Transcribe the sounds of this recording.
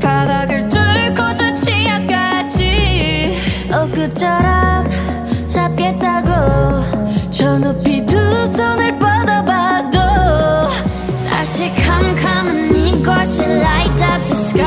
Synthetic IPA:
paɡaɡɯɭtɯɭkʰod͡ʑot͡ɕʰijʌt̚k͈ad͡ʑi | ʌk͈ɯt͡ɕ͈ʰʌɾʌm | t͡ɕap̚k͈et̚t͈aɡo | t͡ɕʌnʌpitʰusʰonɯɭpʌdʌbado | tʰa̰ɕʰikʰaŋkʰamɯniɡʌsʰɯlajtʰʌp̚tesk͈a

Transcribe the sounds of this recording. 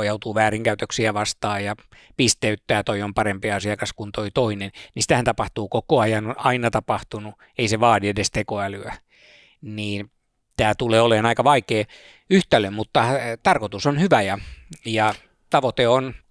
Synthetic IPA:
ojɑut̪uːʋæːriŋkæyt̪øksiæʋɑst̪ɑːjjɑ | pist̪eyt̪ːæːt̪oiompɑrempiɑsiɑkɑskunt̪oit̪oinennisi̥t̪æhænt̪ɑpɑht̪uːkokoɑjɑnonɑinɑt̪ɑpɑht̪unu | eiseʋɑːdiedest̪ekoælyæ | niːn | t̪æːt̪uleːoleːnɑikɑʋɑikeː | yht̪ælømmut̪ːɑt̪ɑrkot̪usonhyʋæjɑjɑ | t̪ɑʋot̪eon

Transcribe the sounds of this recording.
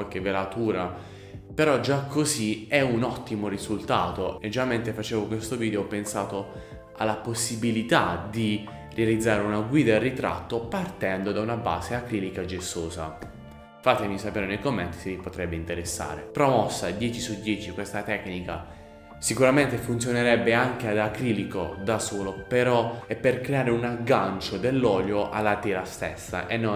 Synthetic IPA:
walk̟evːelat̪uːɾa | peɾɔd͡ʒakʰːoziɛunɔt̪ːimorizult̪aːt̪oed͡ʒːamɛnt̪efat͡ʃɛːvokwest̪oviːd̪eopensaːt̪o | a̰lːaposːibilit̪ad̪i | realid̪zːaːɾeunaɡwiːd̪arːit̪ɾa̰t̪ːopart̪ɛnd̪od̪aunaba̰ːzeakɾilikad͡ʒesːoːza̰ | fat̪ːemisapeːɾenejkomːɛnt̪i̥sevipot̪ɾɛbːeint̪eɾesːa̰ːɾḛpɾomɔsːad̪jɛːt͡ʃisud̪jɛːt͡ʃikwest̪at̪ɛknika̰ | sikuɾament̪efunt̪sjoneɾɛbːeaŋk̟ead̪akɾiːliko̰d̪asoːlopeɾɔɛpːerkɾeaːɾeunaɡːant͡ʃod̪elːɔːljoʔa̰lːat̪ɛːɾast̪ɛ̰sːa̰ʔenːo

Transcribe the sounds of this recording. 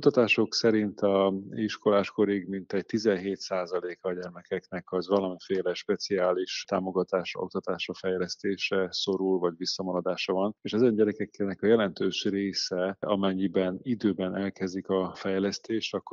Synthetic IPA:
ut̪ɒt̪aːʃo̞ksɛɾint̪ɒiʃko̞laːʃko̞ɾiɡmint̪ɛɟ̚t̪izɛnɦeːt̪saːzɒleːkɒɟɛrmɛkɛknɛkɒzʋɒlɒmifeːlɛʃpɛt̪siaːliʃt̪aːmo̞ɡɒt̪aːʃo̞̰k̚t̪ɒt̪aːʃɒfɛjlɛst̪eːʃɛso̞ɾulvɒɟʋisːɒmɒɾɒd̪aːʃɒvɒneːʃɛzɛɲɟɛɾɛkɛkːɛnɛkɒjɛlɛnt̪øːʃreːsɛɒ̰mɛɲːibɛnid̪øːbɛnɛlkɛzikɒfɛjlɛst̪eːʃt̪ɒkː

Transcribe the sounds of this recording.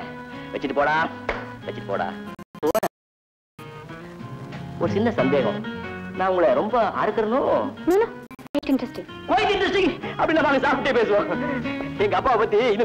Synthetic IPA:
ʋɛt͡ʃːɪʈːɯpoːɽaːʋɛt͡ʃːɪʈːɯ̥po̰ːɽa̰ːpoːɾɐ | ɔɾɯsɪnːɐsɐnd̪eːɣɐ̰̃nãːʊŋɡɐɭɐɾɔmbɐaːɾɯkːɯɾɐnoːnunakɐjʈɪnʈɾɛsʈɪ̃ŋ | kɐjɪʈɪɳʈɾɛsʈɪŋɐpɐɽinːaːʋaːŋɡɐsaːpɪʈːeːpeːs̬ɯʋãː | ɛŋɡɐɐpːaːɐpɐt̪ːiɪnː

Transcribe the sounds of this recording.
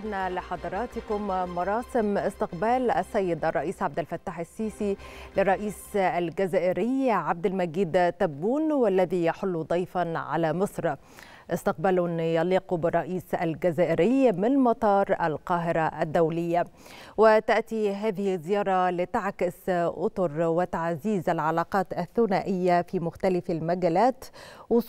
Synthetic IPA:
ɾnalɪħɑd̪ˤɑɾˤɑːt̪ɪkʊmmɑɾˤɑːsɪmɪst̪ɪqbaːlʔasːajːɪd̪ʔɑrˤːɑʔiːsʕab̚d̪ɪlfat̪ːaːħasːiːsilɪrˤːɑʔiːsalɡazaːʔɪɾɪjʕab̚d̪ɪlmaɡiːd̪t̪abːuːnwalːaðijɑħʊlːud̪ˤɑjfanʕa̰lamɨsˤɾ | ʔɪst̪ɪq̚balʊnjɑliːqbɪrˤːɑʔiːsa̰lɡazaːʔɪɾɪjmɪnmɑt̪ˤɑːɾˤʔalqɑːɦɪɾaʔad̪ːawlɪjːa | wɪt̪aʔt̪iɦaːðɪhzːɪjɑːɾˤɑlɪt̪aʕkɪsʔʊ̰t̪ʊɾwɪt̪aʕziːzalʕɑlɑːqɑːt̪aθːʊnaːʔɪjːafiːmʊxt̪alɪfalmaɡaːlaːt̪wʊs

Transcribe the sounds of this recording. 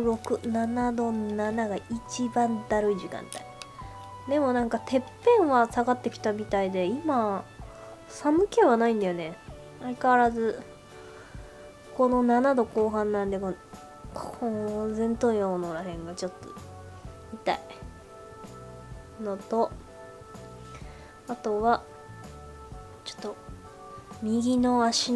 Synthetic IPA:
ɾo̞kɯ̟nanad̪o̞nanaɡait͡ɕibãnd̪aɾɯ̟id͡ʑikã̰nt̪a̰i | d̪e̞mo̞nãŋkat̪e̞pːẽ̞ɰ̃βasaɡat̪ːe̞kʲi̥t̪amʲit̪aid̪e̞ima | samɯ̟keβanaĩnd̪ajone̞ | aikaβaɾazɨ | ko̞no̞nanad̪o̞ko̞ːɦãnːãnd̪e̞kon | kozẽ̞nt̪õaonoɾaɦẽ̞ŋɡat͡ɕo̞t̪ːo̰ | mit̪a̰i | not̪o̞ | at̪o̞βa | t͡ɕo̥t̪ːo̞ | mʲiɡʲino̞aɕin

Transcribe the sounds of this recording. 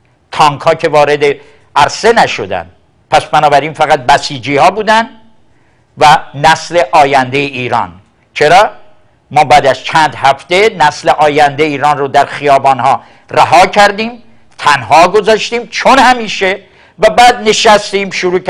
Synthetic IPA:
t̪ʰɒŋkʰhɒːcʰe̞vɒːɾe̞d̪e̞ | ʔæɾse̞næʃod̪æ̰nd̪ | pʰæsbænɒːbæɾiːnfæɣæt̪̚bæsiːd͡ʒiːhɒːbuːd̪ænd̪ | vænæsle̞ʔɒːjænd̪ejeʔiːɾɒ̰ːn | t͡ʃʰeɾɒː | mɒːbæːd̪æz̥t͡ʃʰænd̪hæft̪e̞næsleʔɒːjænd̪eiːɾɒːnrod̪æɾxijɒːbɒːnhɒː | ræɦɒːcʰæɾd̪iːm | t̪ʰænhɒːɡozɒːʃt̪iːmt͡ʃʰonhæmiːʃe | væbæːd̪̚ne̞ʃæst̪iːmʃoɾuːk

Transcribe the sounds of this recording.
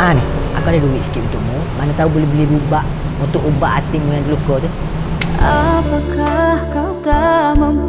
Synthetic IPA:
ʔanɪhʔa̰kawdaduwiʔ̪sə̥kit̪ʔunt̪ʊʔ̚mu | manat̪aubulɛhbəlibubaʔ | unt̪ʊʔubaʔat̪imujandulukɔt̪u | ʔapakahkawt̪aməm

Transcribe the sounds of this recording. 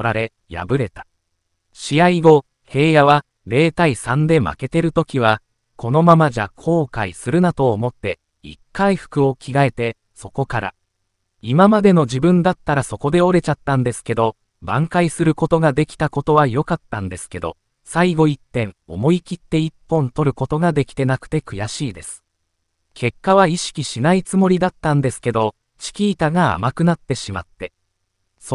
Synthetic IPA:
ɾaɾe̞ | ja̰bɯ̟ɾe̞t̪ḁ | ɕiaiɡo̞ | he̞ːjaβa | ɾe̞ːt̪aisãnd̪e̞ma̰ke̞t̪e̞ɾɯ̟t̪o̞kʲiβ̞a | kʰo̞no̞mamaʑakʰo̞ːkaisɨɾɯ̟nat̪o̞ːmo̞t̪ːe̞ | ḭkːaiɸɯ̥kɯ̟o̞kʲiɡae̞t̪e̞ | so̞ko̞kaɾa̰ | imamad̪e̞no̞d͡ʑibɯ̟̃nd̪at̪ːaɾaso̞ko̞d̪e̞o̞ɾe̞t͡ɕat̪ːãnd̪e̞sɨ̥ke̞d̪o̞ | bãŋkaisɨɾɯ̟ko̞t̪o̞ɡad̪e̞kʲi̥t̪ako̞t̪o̞βajo̞kat̪ːãnd̪e̞sɨ̥ke̞d̪o̞̰ | saiɡo̞it̪ːẽ̞ŋo̞̰mo̞ikʲit̪ːe̞ipːõ̞nt̪o̞ɾɯ̟ko̞t̪o̞ɡad̪e̞kʲi̥t̪e̞nakɯ̥t̪e̞kɯ̟jaɕiːd̪e̞sɨ̥ | kʰe̞kːaβaiɕi̥kʲiɕinait͡sɨmo̞ɾʲid̪at̪ːãnd̪e̞sɨ̥ke̞d̪o̞ | t͡ɕi̥kʲiːt̪aɡaa̰makɯ̟nat̪ːe̞ɕima̰t̪ːe̞ | s

